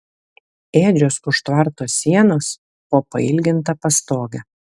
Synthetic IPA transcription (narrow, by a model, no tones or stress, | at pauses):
eːd͡ʒʲosʊʃt̪ʋɐɾˑt̪oːsʲːiɛnoːs | poːpɐɪlʲɡʲɪnt̪ɐpɐst̪oːɡʲɐ